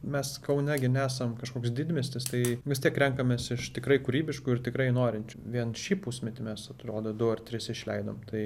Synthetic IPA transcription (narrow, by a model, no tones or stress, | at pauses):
mʲɛskɐʊnʲɛɡʲɪnʲæːsɐmkɐʃkoːkʲsdʲɪd̪ʲmʲeːsʲt̪ʲɪst̪ɐɪʋʲɪst̪ʲiɛkɾʲɛŋkɐmʲeːsɪʃt̪ʲɪkɾɐɪkuɾʲiːbʲɪʃkuːɪrt̪ʲɪkɾɐɪnoːɾʲɪnʲt͡ʃʲʋʲiɛnʃʲiːpusʲmʲɛt̪ʲɪmʲɛsɐt̪ɾoːd̪oːd̪ʊɐrt̪ʲɾʲɪsɪʃʲlʲɛɪd̪o̰ːmt̪ɐɪ